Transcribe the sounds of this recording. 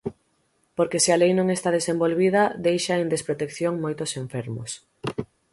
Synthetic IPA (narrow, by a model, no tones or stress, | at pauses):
poɾkesɪalejnõŋest̪að̞esẽmbolβið̞ɐd̪ejʃaend̪espɾot̪ekθjoŋmojt̪ʊsẽɱfeɾmʊ̰s